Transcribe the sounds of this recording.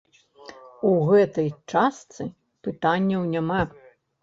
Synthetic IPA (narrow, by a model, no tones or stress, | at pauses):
uɣɛt̪ɐjt͡ʂast̪sɨ | pɨt̪anʲːɐwnʲama